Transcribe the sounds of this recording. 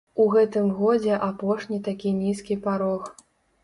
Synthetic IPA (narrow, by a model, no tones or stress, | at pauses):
uɣɛt̪ɨmɣɔd͡zʲɛʔapɔʂnʲit̪akʲinʲiskʲipaɾɔx